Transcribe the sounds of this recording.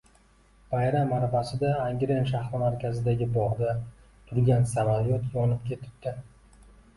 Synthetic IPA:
b̥ajɾamːaɾbasɪd̪aːŋɡʲɾenʃ̬ahɾɒmaɾkʲʰazɪd̪aɡʲɪbɒʁd̪a | t̪ʰʊɾɡʲansamaɾjot̪jɒnɪp̚kʲʰe̞t̪ʰɪ̥p̚d̪̥ɪ

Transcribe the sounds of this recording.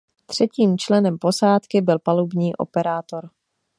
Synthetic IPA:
t̪r̝̥ɛciːmt͡ʃlɛnɛmpo̞saːt̪kɪbɪlpalubɲiːʔo̞̰pɛɾaːt̪o̞ɾ

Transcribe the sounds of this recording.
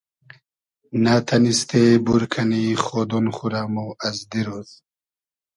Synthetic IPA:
nat̪ʰanist̪ʰebuɾkʰaniχɔd̪ɔnχuɾamuazd̪iɾɔz̥

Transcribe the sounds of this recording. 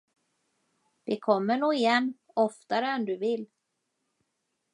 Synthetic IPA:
d̪̥ɪkʰɔmːəɳuːɪjɛnː | ɔft̪aɾəɛnd̪ɵvɪlː

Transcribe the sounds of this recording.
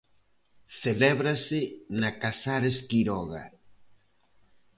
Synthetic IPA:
seleβɾasenakasaɾeskiɾoɣa̰

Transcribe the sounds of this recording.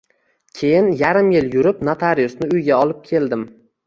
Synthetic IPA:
kʲʰe̞jɪnjaɾɪmjɪljʊɾɪpnat̪ʰaɾijʊsnɪʊjɡʲaɒlˠɪp̚kʲʰe̞ld̪ɪm

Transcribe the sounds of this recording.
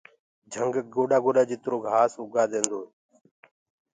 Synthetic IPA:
d͡ʒʱəŋɡɡoːɗaːɡoːɗaːd͡ʒɪt̪ɾoːɡʱaːsʊɡʱaːd̪ẽːnd̪oː

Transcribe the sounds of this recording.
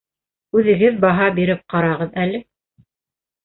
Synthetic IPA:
ʉðɘ̆ɡɘðbɑɦɑbiɾɘp̚qɑɾɑʁɤðælɘ

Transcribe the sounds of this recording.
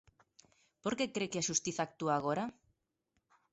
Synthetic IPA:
po̞ɾkekɾekeaʃust̪iθak̚t̪uaɣ̞o̞ɾa

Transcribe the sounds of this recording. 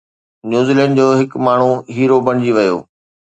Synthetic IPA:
njuːzilɛ̃ːɳɖd͡ʑoːɦɪkmaːɳ̤uɦiːɾobɐɽ̃ɪd͡ʑiʋɐjo̰ː

